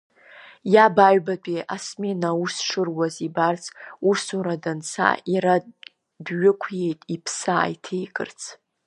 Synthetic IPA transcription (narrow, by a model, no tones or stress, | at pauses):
jabaɥbapʼiʔasme̞nausʂɨrwazibart͡sʰʼusuɾadant͡sʰa̰iɾa | dɥʊkʷʰje̞jtʼipʰsa̰jtʰejkʰʼɨ̰rt͡sʰ